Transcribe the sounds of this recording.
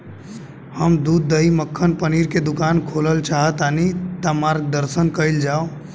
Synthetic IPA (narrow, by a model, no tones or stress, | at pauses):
həmd̪uːd̪ːəiməkʰːənpəniːɾked̪ʊkaːnkʰoːləlt͡ʃaːɦət̪aːnit̪amaːɾk̚d̪əɾsənkəɪld͡ʒaːo